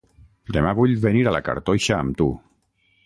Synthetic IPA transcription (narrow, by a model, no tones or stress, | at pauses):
d̪emaβuʎβeniɾalaka̰ɾt̪ojʃaːmt̪u